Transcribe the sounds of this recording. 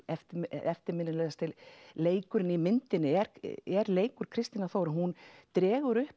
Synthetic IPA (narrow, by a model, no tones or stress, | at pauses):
ɛft̪ɛft̪ɪɾmɪnːɪlɛɣast̪ʰɪlleːjkʏɾɪnimɪnt̪ɪnɪɛɾɛɾleːjkʏɾ̥kʰɾɪst̪inaθoːwɾɪnɦunt̪ɾɛːɣʏɾʏhp